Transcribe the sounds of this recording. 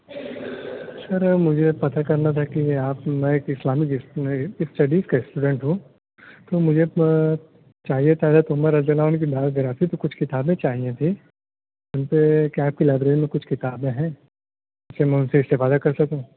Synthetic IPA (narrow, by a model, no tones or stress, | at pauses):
sɐɾmʊd͡ʒʱepɐt̪akɐɾnat̪ʰakiaːpmɛ̃eːkɪslaːmɪk | sʈɐɖizkaɪsʈuːɖẽɳʈɦũ | t̪oːmʊd͡ʒʱe | t͡ʃaːɦiet̪aːd̪at̪ʊɦməɾːɐd͡ʒəlaːnk̬ibaːt̪ɡɐɾaːt̪ʰit̪okʊt͡ʃʰkɪt̪aːbẽt͡ʃaːɦiet̪ʰi | ʊnpekiaːp̚kilaːbɾeːnmẽkʊt͡ʃʰkɪt̪aːbẽɦɛ̃ː | ɪsemɛ̃ʊ̃nseɪst̪ɪfaːd̪akɐɾsɐkũː